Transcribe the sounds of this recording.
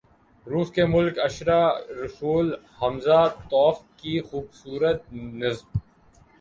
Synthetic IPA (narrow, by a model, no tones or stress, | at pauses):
ɾuːskemʊlkɐʃɾaɾɐsuːl | hɐmzat̪ɔːfkixuːbsuːɾət̪̚nɐzm